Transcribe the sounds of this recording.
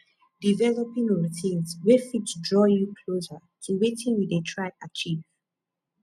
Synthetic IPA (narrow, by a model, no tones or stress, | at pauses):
divɛlɔpĩŋɔtʰĩnswefitdɹɔjukʰlozə | tʰuwetĩnjidetʰɹaɪat͡ʃiv̥